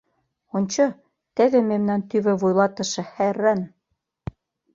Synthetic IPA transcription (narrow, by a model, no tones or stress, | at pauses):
onʲt͡ɕɤ̆ | t̪ĕðĕmemnænt̪yβɘ̆βujlˠɑt̪ɤ̆ʃɤ̆hærːæn